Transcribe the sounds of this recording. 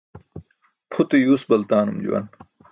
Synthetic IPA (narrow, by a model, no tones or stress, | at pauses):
pʰut̪ejuːsbɐlt̪aːnumd͡ʑṵwɐ̰n